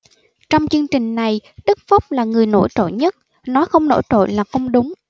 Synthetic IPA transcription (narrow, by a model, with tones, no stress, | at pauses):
t͡ɕɔ˧wŋ͡mt͡ɕɨ˧əŋt͡ɕï˨˩ŋ̟na˨˩jɗɨ˦˥k̚fʊ˦˥k͡p̚laː˨˩ŋɨ˨˩əjno̰˧˩jt͡ɕo̰˧˨ɲə˦˥t̚ | nɔ˨˦xə˧wŋ͡mno̰˧˩jt͡ɕo̰˧˨jlaː˨˩xə˧wŋ͡mɗʊ˨˦ŋ͡m